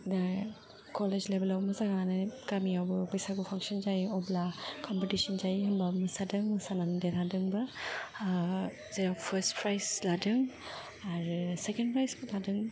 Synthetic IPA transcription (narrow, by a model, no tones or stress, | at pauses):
da | kɔled͡ʒlebelawmɯzaɡanɯkamiawbɯbajsaɡupʰaŋsɔnd͡ʒajɔblakʰɔmpetisɔnzajɦɐmbamɯsadɯŋmɯsanandetʰadɯŋbɐ | zeɾaŋpʰɐɾstpʰɾajsladɯŋ | aɾsekendpʰɾajsbuladɯŋ